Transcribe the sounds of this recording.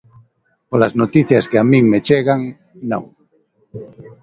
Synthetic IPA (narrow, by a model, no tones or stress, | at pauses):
polaznot̪iθjaskeamĩŋmet͡ʃeɣaŋ | nõ̰ŋ